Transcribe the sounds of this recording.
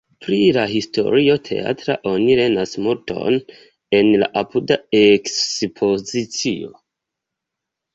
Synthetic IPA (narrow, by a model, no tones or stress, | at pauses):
pɾilaɦisto̞̰ɾio̞tʰe̞̰a̰tɾa̰ʔo̞niɾe̞nasmuɾto̞̰n | e̞nla̰ʔapʰudaeksspʰo̞zit͡sio̞̰